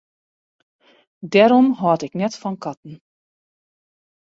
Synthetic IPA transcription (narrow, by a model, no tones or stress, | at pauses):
dɛɾɔmɦɔːtɪknɛtfɔnkɑtn̩